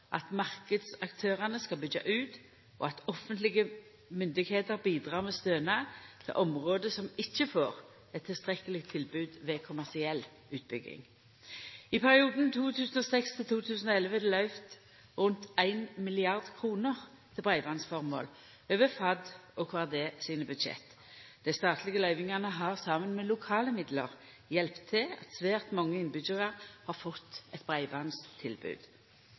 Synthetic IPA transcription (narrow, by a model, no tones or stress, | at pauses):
ʔɑt̪mɑʁkəd̪sɑkt̪ʰøːʁɑnəskɑlbʏɡɑ̰ʔʉːt̪ | ʔo̰ɑt̪ɔfənt̪lɪɡə | mʏnd̪ɪɡheːt̪əʁbiːd̪ʁɑːʁmɛst̪øːnɑt̪ʰɪ̰lʔɔmʁoːd̪əsɔmɪçːəfo̰ːʁ | ɛt̪ʰːɪlst̪ʁɛkəlɪɡt̪ʰːɪlbʉːd̪ʋɛːkʰʊmæʁsɪɛl | ʉːt̪̚bʏɡɪ̰ŋ | ɪpʰæʁɪuːd̪n̩t̪ʰuːt̪ʰʉːsənɔsɛkst̪ʰɪlt̪ʰuːt̪ʰʉːsən̩ɔɛlʋəæd̪ɛlœʏft̪ | ʁʉnt̪æɪnmɪlɪɑʁd̪kʰʁuːnəʁ | t̪ʰɪlbʁæɪʋɑnsfɔʁmo̰ːl | øːʋəfɑd̪ɔkʰʋɑːd̪eːsiːnəbʉd̪ʃɛ̰t̪ː | d̪̥æɪst̪ɑːt̪ʰlɪɡəlœʏʋɪŋɑʁnəɦɑʁsɑmənmɛlʊkʰɑːləmɪd̪lə̰ʁ | jɛlpt̪ʰːɪɑ̰t̪sʋæːʁt̪mɑŋːəɪnbʉd͡ʒəʁɑʁhɑʁfɔt̪ːɛt̪̚bʁæɪʋɑnst̪ʰɪlbʉ̰ːd̪̥